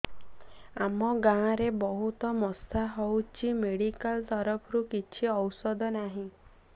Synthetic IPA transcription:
a̰mɔɡãːɾebɔɦut̪ɔmɔsaɦɔwt͡ʃʰimeɽikalt̪ɔɾɔpʰɔɾukit͡ʃʰiɔwsɔd̪ʱɔnaɦĩ

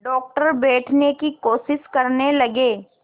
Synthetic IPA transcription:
ɖɔːk̚ʈəɾbɛːʈʰnekikoːʃɪʃkɐɾnelɐɡeː

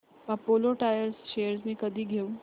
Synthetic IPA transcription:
apoloʈajəɾsʃejəɾsmiːkəd̪ʱiːɡʱeu

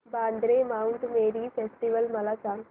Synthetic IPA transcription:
baːnd̪ɾeːmawunt̪meːɾipʰesʈiʋɐlmɐlɐka

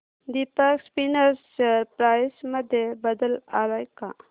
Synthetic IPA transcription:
d̪ipakspinaɾsaɾpɾajsməd̪ebəd̪əlaɾajka̰

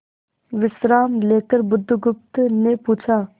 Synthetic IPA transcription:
ʋɪsɾaːmleːkəɾbʊd̪ʱːɡʊp̚t̪nepuːt͡ʃʰaː

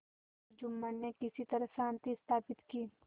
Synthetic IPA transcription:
d͡ʒʊmːənnːekɪsit̪ɐɾəɦsãːnt̪iɪst̪ʰaːpɪt̪kiː

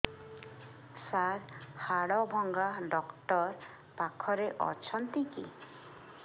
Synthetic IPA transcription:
saɾhaɽɔbʱɔŋɡaɖɔkʈɔɾ | pakʰɔɾeʔɔ̰t͡ʃʰɔnt̪iki

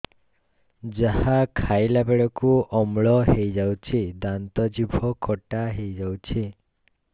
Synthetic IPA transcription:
d͡ʒahakʰajlabeɽɔkuɔmɭɔɦejd͡ʒawt͡ʃʰid̪ant̪ɔd͡ʒibʱɔkʰɔʈaɦejd͡ʒawt͡ʃʰi

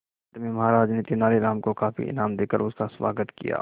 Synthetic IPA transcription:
t̪mẽmɐɦaːɾaːd͡ʒnet̪inaːleɾaːmkokaːfḭʔɪ̰naːmd̪eːkəɾʊskasʋa̰ːɡət̪kḭja̰ː

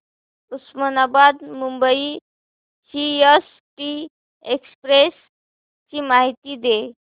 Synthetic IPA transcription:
usmənabad̪mumbəi | sies | ʈi | ekspɾes | t͡ɕiːmaɦit̪iːd̪e

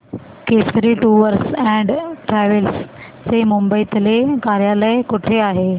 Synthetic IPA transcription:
kesɾiʈuʋəɾsɛ̃ɳɖʈɾɛʋəls | t͡semumbəit̪əlekaɾjaləjkuʈʰeaɦe

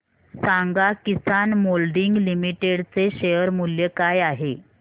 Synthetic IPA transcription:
saŋɡakisanmolɖiŋɡlimiʈeɽt͡seɕejəɾmuljekajaɦe

